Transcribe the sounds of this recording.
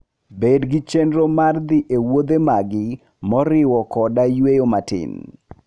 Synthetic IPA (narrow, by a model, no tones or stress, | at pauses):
bedɡɪt͡ʃendɾomard̪ɪʔewod̪emaɡɪ | mɔɾɪwɔkɔdajwejomatɪ̰n